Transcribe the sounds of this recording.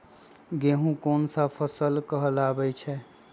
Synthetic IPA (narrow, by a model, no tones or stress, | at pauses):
ɡeɦũkoːnsapʰəsəlkəɦəlabɛt͡ʃʰɛ